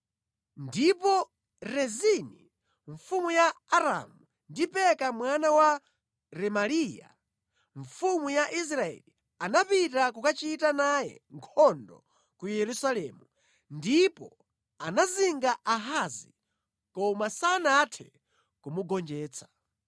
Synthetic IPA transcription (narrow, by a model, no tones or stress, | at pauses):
ndipɔ | ɾɛzini | ɱfumujaːɾa̰mu | ndipɛkamwanawa | ɾɛmaliːja̰ | ɱfumujaʔis̬ɾaɛ̰li | anapitakukat͡ʃitanajɛ̰ŋkʰɔndɔ̰ | kujɛɾusalɛːmu | ndipɔ̰ | anaziŋɡaʔaɦazi | kɔmasanatʰɛ̰ | kumuɡɔnd͡ʒɛːt͡sʰḁ